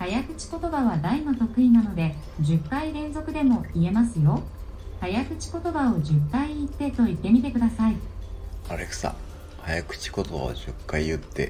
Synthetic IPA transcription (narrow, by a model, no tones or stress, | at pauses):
hajakɯ̟̥t͡ɕi̥ko̞t̪o̞baβad̪aimɯ̟t̪o̞kɯ̟inano̞d̪e̞ | d͡ʑɨkːaiɾẽ̞ñzo̞kɯ̟d̪e̞mo̞ie̞masɨjo̞ | hajakɯ̟t͡ɕi̥ko̞t̪o̞bao̞ʑɨkːaiːt̪ːe̞t̪o̞it̪ːe̞mʲit̪e̞kɯ̟d̪asai | aɾekɯ̥sa̰ | hajakɯ̟̥t͡ɕi̥ko̞t̪oba̰a̰ʑɨkːaiɯt̪ːe̞̰